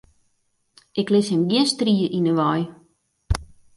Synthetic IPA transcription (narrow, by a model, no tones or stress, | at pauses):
ʔɪklɪshɛmɡiənstriəʔinəʋɔj